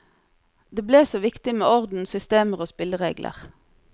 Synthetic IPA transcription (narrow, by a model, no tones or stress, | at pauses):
d̪eːbleːsoːʋɪkt̪ɪmeːɔʁd̪n̩sʏst̪eːməʁoːspɪləʁḛːɡlʔə̰ʁ